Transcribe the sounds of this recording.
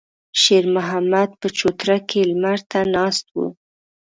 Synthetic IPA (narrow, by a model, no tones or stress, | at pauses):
ʃeɾmʊɦamad̪̚pət͡ʃot̪ɾakʰelmaɾt̪anɑst̪̚wṵ